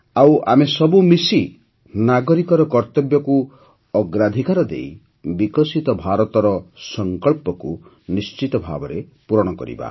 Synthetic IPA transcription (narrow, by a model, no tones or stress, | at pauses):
awa̰mesɔbumisi | naɡɔɾikɔɾɔkɔɾt̪ɔbjɔku | ɔɡɾad̪ʱikaɾɔd̪ḛi | bikɔsit̪ɔbʱaɾɔt̪ɔɾɔsɔŋkɔɭpɔku | nist͡ʃit̪ɔbʱa̰bɔɾe | puɾɔɽ̃ɔkɔ̰ɾḭba̰